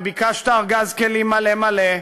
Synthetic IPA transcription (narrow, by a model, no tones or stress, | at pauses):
bikaʃt̪aːʁɡazkelimalemale